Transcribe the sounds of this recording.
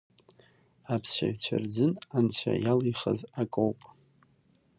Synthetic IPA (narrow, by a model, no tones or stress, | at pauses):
apʰsɕʷaɥt͡ɕʷʰard͡zɨnant͡ɕʷʰa̰jalijχazakʼowpʼ